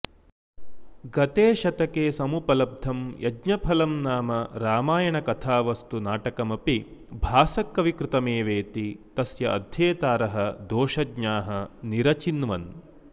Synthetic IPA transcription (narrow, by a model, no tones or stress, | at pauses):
ɡɐt̪eːʃɐt̪ɐkeːsɐmupɐlɐb̚d̪ʱɐmjɐdɲɐpʰɐlɐmnaːmɐɾaːmaːjɐɳɐkɐt̪ʰaːʋɐst̪unaːʈɐkɐmɐpibʱaːsɐkːɐʋikɾɪt̪ɐmeːʋeːt̪it̪ɐsjɐʔɐ̰d̪ʱjeːt̪aːɾɐɦɐd̪oːʃɐɡɲaːɦɐniɾɐt͡ʃinʋɐn